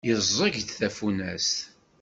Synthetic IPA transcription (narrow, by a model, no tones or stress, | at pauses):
jəzˤːəʝd̪θæfunæs